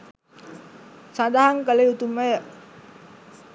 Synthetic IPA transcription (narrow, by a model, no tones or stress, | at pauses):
sadaɦaŋkaleut̪umej